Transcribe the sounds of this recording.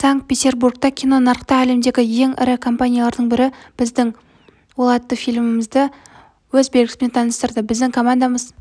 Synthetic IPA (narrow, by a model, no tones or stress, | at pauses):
saŋk̚t̪̚pʲet̪ʲe̞rburɡ̚t̪ɑkʲʰijno̞nɑɾqt̪ɑæle̞md̪e̞ɡʲɪje̞ŋɪ̰ɾɪkʰo̞mpanʲijalˠɑɾd̪əɴbɪɾɪb̥ɪzd̪ɪŋ | wolˠɑt̪ːəfijlʲmɪməzd̪ə | wɵzbe̞lɡʲɪsɪmnet̪ʰɑnəst̪əɾd̪əbɪzd̪ɪŋkʰo̞mand̪aməz